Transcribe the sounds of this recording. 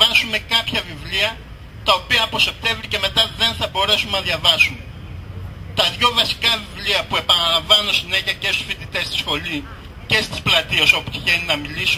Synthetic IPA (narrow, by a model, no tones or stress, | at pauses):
ɐsume̞kɐpçɐvivliɐ | t̪ɐo̞piɐːpo̞se̞p̚t̪e̞ɱvɾice̞me̞t̪ɐðe̞nθɐbo̞ɾe̞sunːɐðʝɐvɐsum | t̪ɐðʝo̞vɐsi̥kɐvivliɐpue̞pɐnɐlɐɱvɐnuosine̞çiɐce̞st̪u̥sfit̪it̪e̞st̪i̥sxo̞li | ce̞st̪i̥splɐt̪ieso̞put̪i̥çeninɐmilis